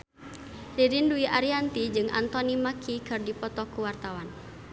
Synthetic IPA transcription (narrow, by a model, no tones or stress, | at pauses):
liɾinduiʔaɾiant̪id͡ʒɨŋʔa̰nt̪ɔnimakʰikɨrdipɔt̪ɔkuwart̪awan